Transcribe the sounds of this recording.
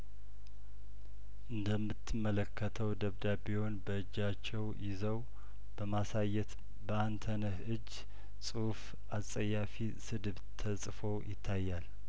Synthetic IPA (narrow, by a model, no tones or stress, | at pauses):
ʔɨnd̪əmːɨt̪ːɨmːələkʰːət̪ʰəwd̪əβd̪abihonbəɨd͡ʒːat͡ʃːɛwjɪzəw | b̥əmasajːɛt̪ | bəant̪ʰənəhɨd͡ʒː | sʼuhf | ʔasʼəjːafi | sɨd̪ɨβt̪ʰəsʼfo̞jɪt̪ʰːajːal